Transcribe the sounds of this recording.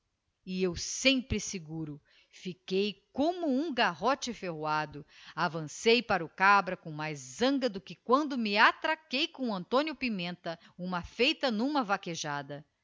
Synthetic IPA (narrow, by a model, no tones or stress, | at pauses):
ɪewsẽmpɾɪsɪɡuɾʊ | fikejkõmʊũɡaɦot͡ʃɪfeɦwad̪ʊavɐ̃sejpaɾʊkabɾɐkõw̃majzːɐ̃ŋɡɐd̪ʊkɪkwɐ̃nd̪ʊmɪat̪ɾakejkõw̃ɐ̃nt̪õnjʊpimẽnt̪ɐ | ũmɐfejt̪ɐnũmɐvakeʒad̪ɐ